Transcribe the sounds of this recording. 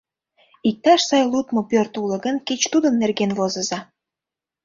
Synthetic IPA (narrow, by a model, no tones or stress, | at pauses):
ik̚t̪ɑʃsɑjlut̪mopørt̪ulə̆ɡənket͡ɕt̪ud̪ə̆nːerɣenvozəzɑ